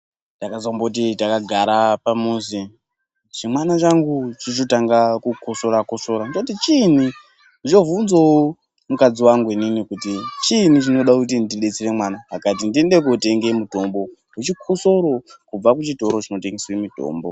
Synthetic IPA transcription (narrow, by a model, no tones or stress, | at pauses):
takazambokut̬itakaɡʱaɾapamuzi | ʐimwanat͡ʃaŋɡut͡ʃit͡ʃotaŋɡakukʰoso̞ɾakoso̞ɾanit͡ʃoutit͡ʃin̤i | nit͡ʃo̞vunzoo | mukad͡ziwaŋɡuininikutit͡ʃin̤it͡ʃino̞ɗakutindiɗet͡sire̞mwanaɦakat̬indiende̞kote̞ŋɡe̞mudʱo̞mbo̞ | ut͡ʃikʰoso̞ɾo̞kub͡vakut͡ʃito̞ɾo̞t͡ʃino̞te̞ŋɡeswemidʱo̰ːmbo